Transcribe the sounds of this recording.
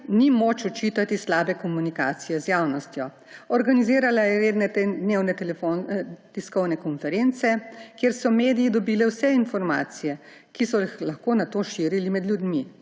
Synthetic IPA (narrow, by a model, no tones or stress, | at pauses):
nimoːt͡ʃɔt͡ʃiːt̪at̪islaːbɛkɔmunikaːt̪sijɛzjaːwnɔst̪jɔ | ɔɾɡaniziːɾalajɛɾeːd̪nɛt̪ɛd̪neːwnɛt̪ɛlɛfot̪iskɔwnɛkɔnfɛɾent̪sɛkjeːɾsɔmeːd̪ijid̪ɔbiːlɛwsɛinfɔɾma̰ːt̪sijɛ | kisɔxlaxkoːnat̪oːʃiːɾilimɛd̪lʲjud̪mi